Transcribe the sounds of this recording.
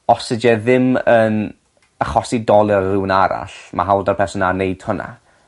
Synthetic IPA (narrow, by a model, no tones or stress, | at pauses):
ɔsɪd͡ʒɛðɪmən | aχɔsidɔlˠɪrrɪwnaɾa̰ɬma̰ɦawlˠdarpʰɛsɔnaneɨd̥hʊnʔa̰